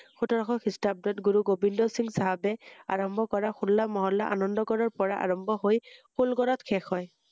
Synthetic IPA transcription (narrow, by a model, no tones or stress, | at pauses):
xutɔɹɔxɔxistap̚dɔtɡuɹuɡobindɔsiŋɡsaɦabɛa̰ɹɔmbʱɔkɔɹaxulːamɔɦɔlːaʔa̰nɔndɔɡɔɹɔɹpɔɹaʔa̰ɹɔmbʱɔɦojxulɡɔɹɔtkʰɛxɔj